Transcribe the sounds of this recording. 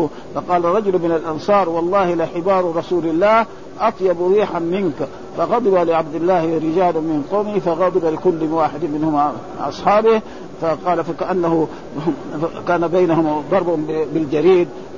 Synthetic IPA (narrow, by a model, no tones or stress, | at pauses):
fɑqɑːlaɾˤɑd͡ʒʊlmɪnalʔɑnsˤɑːɾˤwɑlˤːɑːhilaħɪbɑːɾˤɾˤɑsuːlalːaːh | ʔɑt̪ˤjɑbɾiːħanmɪnka | fɑɣɑd̪ˤɨbalɪʕabd̪ɪlːaːhɾɪd͡ʒaːlumɪnqoːmifɑɣɑd̪ˤɪbalɪkulːwaːħɪd̪mːɪnhuma | ʔɑ̰sˤħɑːbɪh | faqɑːlafakaʔanːahu | kaːnabajnahʊmd̪ˤɑɾˤbʊbɪld͡ʒaɾiːd̪̚